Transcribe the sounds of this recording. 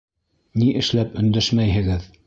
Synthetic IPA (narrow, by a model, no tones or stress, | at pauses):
niʔɘ̆ʃlæpɵ̆nd̪æʃmæjɦɘ̆ɣɘð